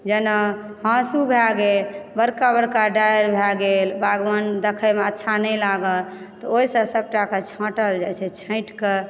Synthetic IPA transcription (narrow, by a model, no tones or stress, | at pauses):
d͡ʒənə | hãsubʱɛɡelbəɾkabəɾkaɖajɾbʱɛɡelbaɡʋənd̪ekʰəjmeətːʃʰanəjlaɡəl | t̪ɔoisə̃səb̚ʈaket͡ʃʰə̃ʈəld͡ʒajt͡ʃʰɛt͡ʃʰə̃ɪ̃ʈke